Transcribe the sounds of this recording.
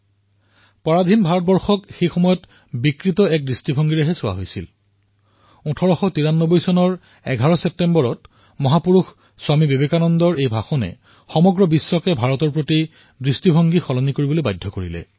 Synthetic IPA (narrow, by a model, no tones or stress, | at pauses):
pɔɹad̪ʱinbʱaɹɔt̚bɔɹxɔkxejxɔmɔjɔt | bikɹitɔɛk̚dɹistibʱɔŋɡiɹɛɦɛsʊwa̰ɦojsḭl | utʰɔɹɔxɔtiɹanːobojsɔnɔɹ | ɛ̰ɡʱaɹɔsɛp̚tembɔɹɔt | mɔɦapuɹux | swamibebekanɔndɔɹejbʱaxɔnɛ̰ | xɔmɔɡɹɔbisːɔkɛbʱaɹɔtɔɹpɹoti | dɹistibʱɔŋɡixɔlɔnikoɹibolojbajdʱɔkoɹilɛ̰